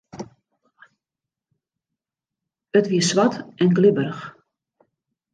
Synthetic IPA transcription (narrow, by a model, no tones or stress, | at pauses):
ətʋiəsʋatɛnɡlɪbərəx